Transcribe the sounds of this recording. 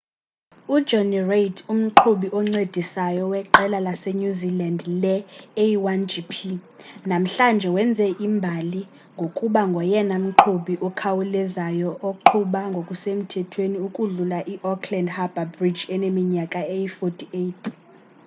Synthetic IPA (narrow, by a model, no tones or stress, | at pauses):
u̥d͡ʒɔnirejtʰum̩ǃʰuɓiʔɔŋ͡ǀed̥ʱisajɔwɛǃɛlalasɛɲuzilandlɛeiwand͡ʒipʰi | nam̩ɬand͡ʒʱɛwɛnd͡zʱɛʔimbʱali | ŋɡʱokʼuɓaŋɡʱɔjɛnam̩ǃʰuɓiʔɔkʰawulɛzajɔʔoǃʰuɓaŋɡʱokʼusem̩tʰɛtʰweniukʼuɮulaʔiʔɔkʰlɛndhab̥ʱabrid͡ʒɛnemiɲakʼaejifotʰʼietʰ